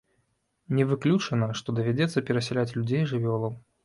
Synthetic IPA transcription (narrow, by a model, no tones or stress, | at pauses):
nʲɛvɨklʲut͡ʂɐnɐʂt̪ɔd̪ɐvʲad͡zʲɛt̪sːɐpʲɛɾɐsʲɛlʲat͡sʲlʲud͡zʲejʐɨvʲɔlˠɐw